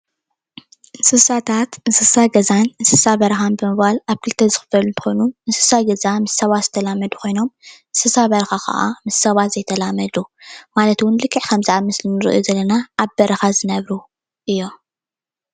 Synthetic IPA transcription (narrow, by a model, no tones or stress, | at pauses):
ʔɨsɨsat̪ʰat̪ɨsɨsaɡɐzanɨsɨsaβɐɾxanbɨmɨβalaβkʰɨlt̪ʰɐzɨxɨ̥fɐlunt̪ɨ̥xojnuɨsɨsaɡɐzamɨssɐβat̪zɨt̪ʰɐlamːɐd̪ukʰo̞jno̞mʔɨsɨsaβɐɾɐxakʰɐ̰ʔa̰mɨssɐβat̪zɐjt̪ʰɐlamɐd̪umalɐt̪wʊnlɨkʰːɨʕkʰɐmzɨʕamːɨslɨnːɨɾɨ̰ʔujuzɐlːɐnaːβbɐɾɐxazɨnɐβɾu | ʔɨjːo̞